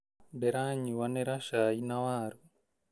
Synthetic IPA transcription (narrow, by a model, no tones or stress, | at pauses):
beɾaːɲiwaneɾaʃaːinawaːɾu